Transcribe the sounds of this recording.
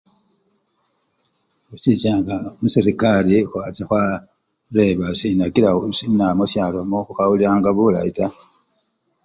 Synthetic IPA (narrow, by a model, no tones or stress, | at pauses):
usit͡ʃaːŋɡamusiɾikalixwat͡sexwa | ɾe̞βasinakilausinamosaːlomoxukawuliɾaːŋɡaβulaita